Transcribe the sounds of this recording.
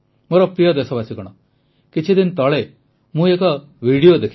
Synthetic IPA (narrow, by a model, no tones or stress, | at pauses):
moɾɔpɾijɔd̪esɔbasikɔɽ̃ɔ | kit͡ʃʰid̪int̪ɔɭe | mũekɔ | ʋiɽijod̪ekʰ